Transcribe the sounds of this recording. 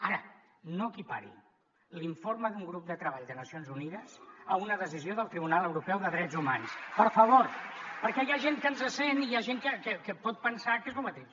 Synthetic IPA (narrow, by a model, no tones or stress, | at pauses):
aɾə | noəkipa̰ɾḭ | liɱforməðuŋɡɾup̚d̪ət̪ɾəβaʎd̪ənəsionzuniðəsəunəðəz̬izioðəlˠt̪ɾiβ̞unalˠəwɾupɛwðəðɾɛd͡zumanspəɾfəβ̞oɾpəɾkɛjaʒenkənzəsenijaʒeŋkəkəkəpɔt̪̚pənsakezlumət̪eʃ